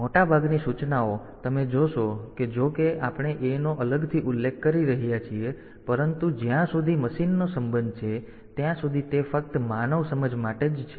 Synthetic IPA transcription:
moʈabʱaɡnisut͡ʃnao | t̪əmed͡ʒoʃoked͡ʒokeʔapɳ̃eʔenoʔələɡt̪ʰiʔʊlːekʰːəɾiɾəɦijat͡ʃʰie | pəɾənt̪ud͡ʒjãsud̪ʱiməʃinːosəmbənd̪̚ʱt͡ʃʰe | t̪jãsud̪ʱit̪efək̚t̪manəʋsəməd͡ʒmaʈed͡ʒt͡ʃʰe

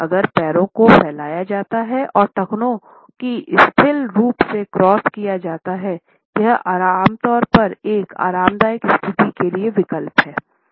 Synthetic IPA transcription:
ɐɡəɾpɛːɾõkopʰɛːlaːjad͡ʒaːt̪aɦɛʔɔːɾʈ̪ɐknõ | kiʔɪst̪ʰɪlɾuːpsekɾɔːskijad͡ʒaːt̪aɦɛ | jɐɦa̰ːɾaːmt̪ɔːɾpɐɾeːka̰ːɾaːmd̪aːjɪkɪst̪ʰɪt̪ikelieʋɪkəlpɦɛː

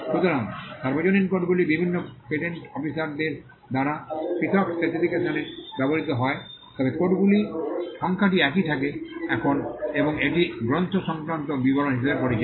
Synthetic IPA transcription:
ʃut̪oɾaŋʃaɾbod͡ʑoneɾkoʈɡulibibʱinːopeʈeɳʈɔpisaɾd̪eɾ | d̪aɾapit̪ʰɔkset̪id̪ikesaneɾbɛboɾit̪oɦɔet̪ɔbekoʈɡuliʃɔŋkʰaʈ̬iɛkit̪ʰakeɛkʰoneboŋeʈiɡɾont̪ʰoʃɔŋkɾant̪obiboɾonɦiʃebeɾpoɾid͡ʑa

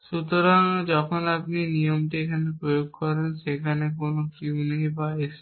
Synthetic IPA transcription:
ʃut̪oɾaŋd͡ʒɔkʰonap̚ninijomʈiekʰanepɾojoɡkɔɾenʃekʰanekonokiuneĩbaeʃ

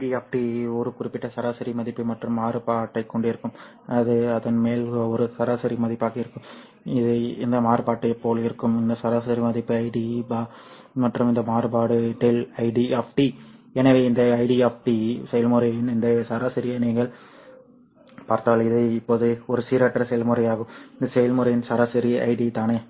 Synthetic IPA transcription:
ɖieːfʈiɔɾɯkʊɾɪpːɪʈːɐsɐɾaːsɐɾimɐðɪpːɯmɐʈrɯmːaːɾɯpaːʈːɐɪkːɔɳɖɪɾɯkːɯm | ɐðɯɐðɐnmeːlɯɐɔɾɯsɐɾaːsɐɾimɐðɪpːaːkɪɪɾɯkːɯm | ɪðɯɪ̰nd̪ɐmaːrɯpaːʈːɐɪpːoːlɪɾɯkːɯmɪnd̪ɐsɐɾaːsɐɾimɐðɪpːɯɐɪɖibaː | mɐʈrɯmɪnd̪ɐmaːɾɯbaːɽɯʈɛlɐɪɖiaːfʈiɛnɐʋeːɪnd̪ɐːɪɖiaːfʈisɛjɐlmɯɾɐjɪnɪnd̪ɐsɐɾaːsɐɾɪjɐniːɣɐɭ | paːɾt̪aːlɪðɐɪɪpːoːðɯɔɾɯsiːɾɐʈːrɐsɛjɐlmɯɾɐjaːɣɯmɪnd̪ɐsɛjɐlmɯɾɐjɪnsɐɾaːsɐɾiɐ̰ɪɖit̪aːneː

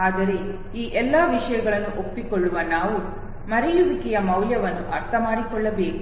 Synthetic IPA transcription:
aːd̪ɐɾe̞ | iːʔɛlːaːʋiʂɐjɐɡɐɭɐnːuʔopːikɔɭːuʋɐnaːʋu | mɐɾɛjuʋikɛjɐmɐwljɐʋɐnːuʔɐɾt̪ʰɐmaːɽikɔɭːɐbe̞ːku

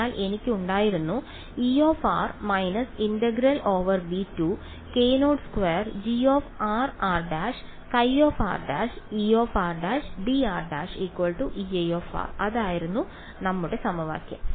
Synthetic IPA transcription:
aːlʔe̞nikʲːɨuɳɖaːjiɾunːu | iːo̞ːfa̰ːrmɐjnɐsindɐɡɾɐlo̞ːʋɐrɖitːu | keːnoːɖskʋeːrd͡ʑioːfaːraːrɖaːʂ | kɐjoːfa̰ːrɖa̰ːʂiːo̞ːfaːrɖaːʂɖiaːrɖaːʂikːwɐlɭʈuʔiɐjo̞ːfa̰ːrɐðaːjiɾunːu | nɐmːuɽesɐmɐʋa̰ːkʲːɐ̰m

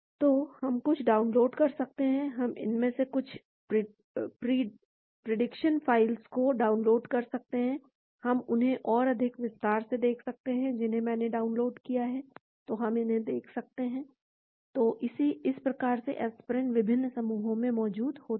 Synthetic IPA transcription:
t̪oːhɐmkʊt͡ʃʰɖaːʊnloːɖkɐɾsɐk̚t̪eɦɛ̃ɦɐmɪ̰nmẽsekʊt͡ʃʰ | pɾɪ | pɾiː | pɾeɖɪkʃənfaːɪlskoɖaːʊnloːɖkɐɾsɐk̚t̪eɦɛ̃ | hɐmʊnɦẽʔɔːɾɐd̪ʱɪkʋɪst̪aːɾsed̪eːkʰsɐk̚t̪eɦɛ̃d͡ʒɪnɦẽmɛ̃ːneɖaːʊnloːɖkijaɦɛ | t̪oɦɐmɪnɦẽd̪eːkʰsɐk̚t̪eɦɛ̃ː | t̪oːʔɪsiɪspɾɐkaːɾseʔɛːspɾə̃ɳʈʋɪbʱɪnːsɐmuːɦõmẽmɔːd͡ʒuːd̪hoː

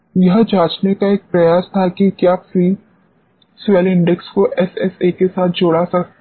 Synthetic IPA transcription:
jɐɦd͡ʒaːt͡ʃnekaeːk̚pɾɐjaːst̪ʰakikjaːfɾiː | sʋɛlɪ̃ɳɖɛkskoʔɛsɛsekesaːt̪̚ʰd͡ʒoːɽasɐk

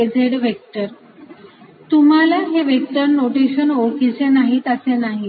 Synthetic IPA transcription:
ed͡zʱeɽʋek̚ʈəɾ | t̪um̤alaɦeʋek̚ʈəɾnoʈeɕənokit͡ɕenaɦit̪əsenaɦi

